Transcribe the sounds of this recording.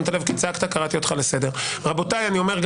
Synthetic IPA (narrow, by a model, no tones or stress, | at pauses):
nt̪alevkit͡sakt̪akaʁat̪io̞t̪χalese̞deʁʁabo̞tajanio̞meʁɡ